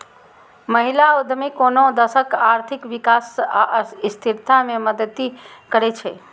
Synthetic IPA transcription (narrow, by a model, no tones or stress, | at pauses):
məɦilaud̪ʱmekonod̪əsəkaɾt̪ʰikʋikasaʔist̪ʰiɾt̪ameməd̪əd̪ikəɾɛt͡ʃʰɛ